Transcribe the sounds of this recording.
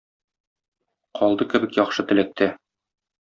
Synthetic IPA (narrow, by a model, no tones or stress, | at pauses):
qɒlˠd̪ɤkɘ̆bɘkjɒχʃɤt̪ɘ̆læ̆k̚t̪æ